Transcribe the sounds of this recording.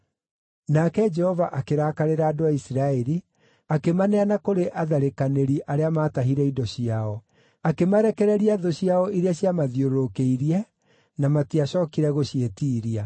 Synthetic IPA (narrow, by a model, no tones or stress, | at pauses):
nakɛd͡ʒɛhɔvaʔakeɾaːkaɾeɾaːdoaisiɾaɛɾi | akemanɛanakoɾeʔaðaɾekaneɾiʔaɾeamaːtaɦiɾɛidɔɕiaɔ | akemaɾɛkɛɾɛɾiaðoɕiaɔʔiɾeaɕjamaðioɾɾokeiɾiɛ | namatiaɕɔːkiɾɛɣoɕietiːɾia